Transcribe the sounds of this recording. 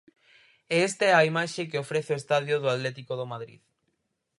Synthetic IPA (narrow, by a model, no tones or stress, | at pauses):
eest̪aɛaimaʃek̬eofɾeθeoest̪aðjoðoat̪lɛt̪ikoðomaðɾḭð